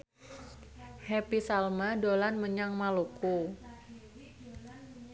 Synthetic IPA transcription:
hɛpisalmadolanməɲaŋmaluku

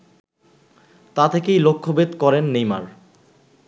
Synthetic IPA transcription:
t̪at̪ʰekejlokʰːobed̪kɔɾenːejma̰ɾ

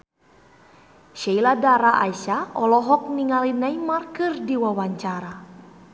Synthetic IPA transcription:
ʃailadaɾaʔaiʃaɔlɔɦɔk̚niŋalinaimarkɨrdiwawaɲt͡ʃaɾa

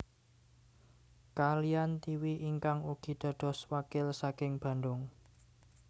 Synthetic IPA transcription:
kalijant̪iwiʔiŋkaŋuɡ̥i̤d̪̥a̤d̪̥ɔ̤swakɪlsakɪŋb̥ä̤nd̪ʊŋ

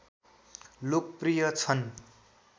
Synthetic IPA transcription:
lok̚prijʌt͡sʰʌn

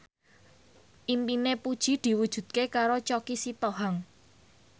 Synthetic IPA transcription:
ʔimpinepud̥ʒ̥i̤d̪̥i̤wud̥ʒ̥ṳd̪̥̚kekaɾot͡ʃɔkisit̪oɦaŋ

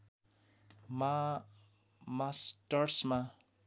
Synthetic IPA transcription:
ma | masʈaɾʈsma

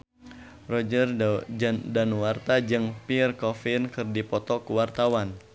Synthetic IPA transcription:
rɔd͡ʒər | danwart̪ad͡ʒɨŋpirkɔfɪnkɨrdipɔt̪ɔkuwart̪awan

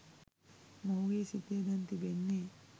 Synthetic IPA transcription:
mɐwɡeːsit̪eːd̪ɐnt̪ibenːe

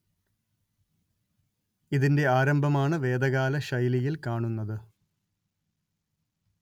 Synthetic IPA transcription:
iðinde̞aːɾɐmbʱɐmaːɳɨʋe̞ːd̪ɐɣaːlɐɕɐjlijilkaːɳunːɐðɨ

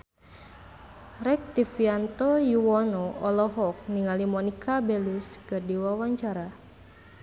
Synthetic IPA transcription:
ɾɛk̚t̪ifiant̪ɔjuwɔnɔɔlɔɦɔk̚niŋalimɔnikʰabɛluskərdiwawaɲt͡ʃaɾa

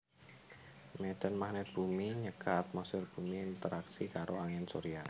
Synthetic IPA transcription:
meɖ̥ə̤nmahnɛt̪̚b̥umiɲəkat̪̚mɔsʊrb̥ṳmiːnt̪əɾaksikaɾʔoaŋɛnso̰ɾia

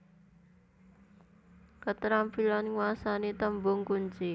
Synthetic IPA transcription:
kət̪ɾampilanŋwasanet̪əmbʊŋkunt͡ʃi

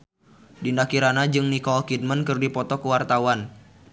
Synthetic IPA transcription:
dindakiɾanad͡ʒɨŋnikɔlkid̚mənkɨrdipɔt̪ɔkəwart̪awan

